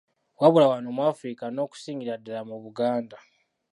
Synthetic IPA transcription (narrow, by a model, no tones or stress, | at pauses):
waβulawanomwaːfɾikano̞ːku̥siːŋiɾadeɾamuβuɡaːnda